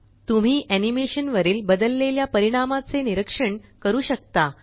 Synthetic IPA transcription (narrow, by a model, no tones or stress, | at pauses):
t̪um̤iːʔænimeɕənʋəɾiːlbəd̪əlːeljapəɾiɽ̃amat͡seniɾəkʂəɳkəɾuːɕək̚t̪a